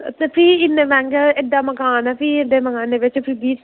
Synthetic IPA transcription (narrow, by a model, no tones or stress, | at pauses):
t̪epʰiɪnːeʋɛ̃ŋɡəeɖːaːmɐkaːnapieɖeːmɐkaːneʋɪt͡ʃpʰibiːt͡ʃ